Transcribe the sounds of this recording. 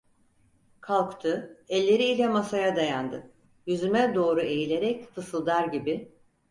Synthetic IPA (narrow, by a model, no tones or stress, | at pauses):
kʰalˠkt̪ʰɯɛlʲːe̞ɾiːlʲɛmasajad̪ajand̪ɯ | jyzymɛd̪o̞ːɾue̞jilʲe̞ɾɛcfɯsɯlˠd̪aɾɟibɪ